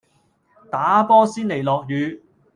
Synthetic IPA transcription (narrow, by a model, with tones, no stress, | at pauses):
t̪aː˨˥pɔː˥siː˥nle˨˩jlɔː˨k̚jyː˨˧